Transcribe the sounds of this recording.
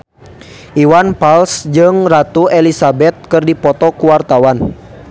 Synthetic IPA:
ʔiwanpalsd͡ʒɨŋrat̪uɛlisabɛt̪̚kɨrdipɔt̪ɔkuwart̪awan

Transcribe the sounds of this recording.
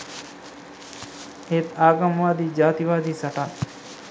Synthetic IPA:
et̪aːɡamʋaːd̪id͡ʒaːt̪iʋaːd̪ʱisaʈan

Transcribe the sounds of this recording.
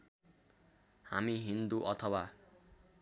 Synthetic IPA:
ha̰miɦind̪uʔʌt̪ʰʌwa

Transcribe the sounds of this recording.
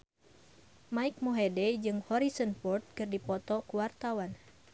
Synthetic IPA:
maik̚moɦedɛd͡ʒɨŋhɔɾisɔnpɔrt̪̚kɨrdipɔt̪ɔkuwart̪awan

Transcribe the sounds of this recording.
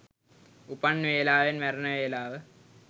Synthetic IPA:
upɐnʋeːlaːʋenʋæɾɐnəʋeːlaːʋə

